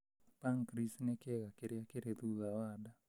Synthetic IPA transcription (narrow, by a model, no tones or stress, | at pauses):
paŋkɾisnɛkeɣakeɾeakeɾeðuðawada